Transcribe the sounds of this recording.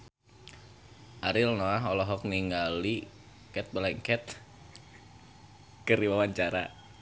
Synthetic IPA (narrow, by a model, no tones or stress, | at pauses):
ʔaɾɪlnoaɦɔlɔɦɔk̚niŋɡali | kɛt̪̚bəlɛŋkɛt̪̚ | kəɾiwawaɲt͡ʃaɾa̰